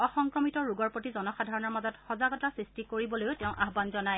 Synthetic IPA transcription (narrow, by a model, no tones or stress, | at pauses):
ɔxɔŋkɹɔmitɔɹuɡɔɹpotizɔnɔxadʱaɹɔnɔɹmazɔtxɔzaɡɔtasɹistikoɹibɔlojʊteʊ̃ʔaɦbanzɔnaj